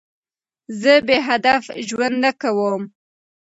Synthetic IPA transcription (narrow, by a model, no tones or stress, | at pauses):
zəbeɦad̪afʒwand̪nakawəm